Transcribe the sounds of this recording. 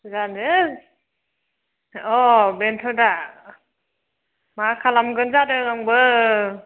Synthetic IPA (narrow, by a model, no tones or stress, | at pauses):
zandɯ | ɔbentʰɔda | makʰalamɡɯnzadɯɡaŋbɯ